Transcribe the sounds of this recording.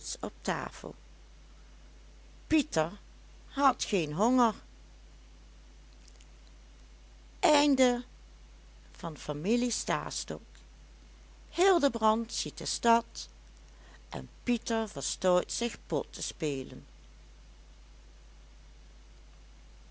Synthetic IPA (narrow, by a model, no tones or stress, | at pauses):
sɔp̚ta̰ːfə̰lˠ | pitəɹ | ɦɑtxeːnɦɔŋəɹ | ʔɛjndə | v̥ɑnfamilista̰ːstɔ̰k | hɪːlˠdəbrɑntsit̚əstɑt | ʔɛ̰npitəɹvəɹstojtsɪxpɔtʰəspeːlə̰n